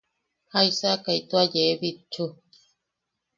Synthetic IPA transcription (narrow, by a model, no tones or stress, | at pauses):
hajsakajt̪uajeβit͡ʃu